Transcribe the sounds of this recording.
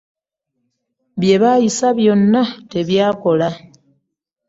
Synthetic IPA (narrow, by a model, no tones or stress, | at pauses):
βje̞βajisaβjo̞nːate̞βjaːko̞la